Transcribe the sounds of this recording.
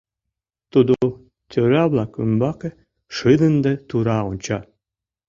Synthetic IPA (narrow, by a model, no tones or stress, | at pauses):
t̪ud̪o | t̪ʰʲøɾɑβlˠɑkymbɑkĕ | ʃɨd̪ə̆nd̪et̪uɾɑunʲt͡ɕɑ